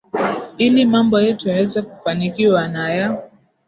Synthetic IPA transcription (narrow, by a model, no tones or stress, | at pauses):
ilimambɔjɛtujawɛzɛkufanikiwanaja